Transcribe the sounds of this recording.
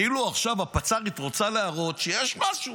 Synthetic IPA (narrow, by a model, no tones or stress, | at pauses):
iluaχʃavhapat͡saʁit̪ʁo̞t͡saleaʁo̞tʃejeʃmaʃu